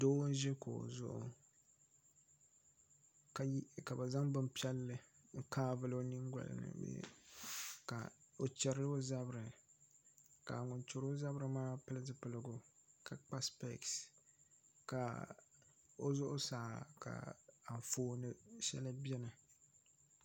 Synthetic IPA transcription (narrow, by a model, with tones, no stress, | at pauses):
doː˦ʒɛ˦ko̰˨zʊ̰˦ʔʊ̰˦ | ka˨˦ka˨bɨ˨za˦ŋbɨ˦m˦pi˦ɛ˦lːɨ˦ŋ̩˦kaː˦vɨ˦lo˦ni˦ŋɡʷa̰˨lɨ̰˨nɨ̰˨bḛ˨˦ | ka̰˨o˨t͡ʃɛ˨ɾɨ˦lɨ˦o˦za˦bɾɨ˨ | ka˨ŋʊ˨nt͡ʃo˨ɾo˦za˦bɾɨ˨maː˦pɨ˦lɨ˦zɨ˦pɨ˦lɨ˨˦ɡʊ˨kʰa˨k͡pa˦spɛ̰˦˨ks | ka˨ | o˦zʊ˦ʔʊ˦saː˨ka̰˨a˨ɱ˨foː˦nɨ˦ʃɛ̰˦lɨ˦bjɛ˦nɨ˨